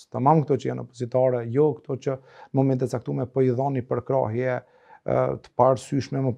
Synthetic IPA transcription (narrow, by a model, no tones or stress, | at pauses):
t̪əmamkt̪ɔt͡ʃəjanɔpɔzit̪aɾɛjɔkt̪ɔt͡ɕə | nəmɔmɛnt̪ɛt̪t͡sak̚t̪umɛpɔiðanipəɾkɾa̰ɦjɛ | t̪ə̥paɾsyʃmɛmə